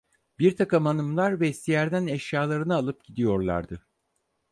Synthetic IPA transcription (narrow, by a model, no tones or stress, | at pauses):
biɾt̪ʰakɯmanɯmlˠaɾvɛist̪ʰijæɾd̪ænɛʃjaːlˠaɾɯnɯaːlˠɯp̚ɟ̥id̪ijo̞ɾlˠa̰ɾd̪ɯ